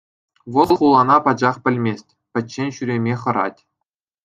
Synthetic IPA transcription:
ʋɤ̆lˠχulˠɑnɑpɑd͡ʑɑχpʲɘ̆lʲmʲesʲtʲ | pʲɘ̆tʲɕenʲɕyɾʲemʲeχɤ̆ɾɑ̰tʲ

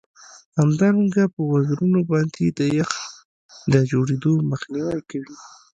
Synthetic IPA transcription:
hamd̪ɑɾaŋɡapəwaɡɾunobɑnd̪ed̪əjax | d̪əd͡ʒoɽed̪oməxniwajkawi

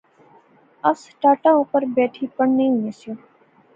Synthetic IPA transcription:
əsʈaːʈãːuːpəɾbɛːʈʰiːpəɳnĩɦũnẽːsjõː

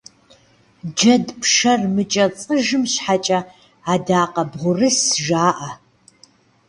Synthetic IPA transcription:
d͡ʒɐdpʰʂɐrmɨt͡ʃʼɐt͡sʼɨʒɨmɕħat͡ʃʼɐ | adaːqɐbʁʷʊrɨsʒaːʔɐ

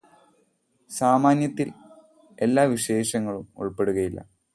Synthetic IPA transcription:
saːmaːnjɐt̪ːil | e̞lːaːʋiɕe̞ːɕɐŋːɐɭumṵɭpe̞ɽuɣɐjilːɐ̰

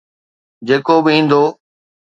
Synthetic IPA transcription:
d͡ʑeːkobɪĩːnd̪oː

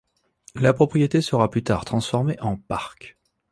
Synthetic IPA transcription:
lapχɔpχijet̪esəʁaplyt̪a̰ːʁt̪χɑ̃sfɔʁmeʔɑ̃paʁk

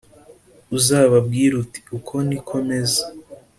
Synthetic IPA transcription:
uzaːβab̚ɡiːɾuti̥ukʰo̞nikʰo̞me̞za

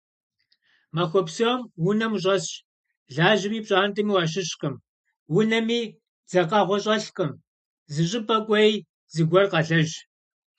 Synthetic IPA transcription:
mɐxʷɔpsomwʊnɐmɕ̬ʼɐs | ɮaːʒɪmiːpɕʼaːntʰʼɨmiwɑːʃ̬ɪɕqəm | wʊnɐmiː | d͡zɐqɐʁʷɔɕʼɐɬqʼɨm | zɨɕʼɪpʼɐkʷʼɔj | zɨɡʷɔrqɐɮɐʒ

